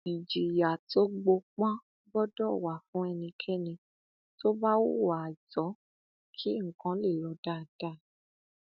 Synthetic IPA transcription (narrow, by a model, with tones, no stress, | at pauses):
i˨d͡ʒi˨ja˨to˦ɡ͡bo˧k͡pã˦ | bɔ˦dɔ˦˨wa˨fũ˨˦ɛ˧nĩ˧kʰɛ˦nĩ˧ | to˦ba˦wo˦˨wa˨d͡ʒɔ˨˦ | kʰi˦ŋ̩˨kã˨˦le˦˨lɔ˨˧˦da˦˨d̥a˦˨